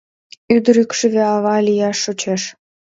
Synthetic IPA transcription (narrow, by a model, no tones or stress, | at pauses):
yd̪əɾykʃɘ̆βeɑβɑlʲijɑʃːot͡ɕeʃ